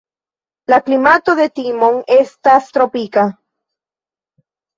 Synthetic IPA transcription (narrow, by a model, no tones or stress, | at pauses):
laklimat̪oðe̞t̪imoŋe̞stast̪ɾopika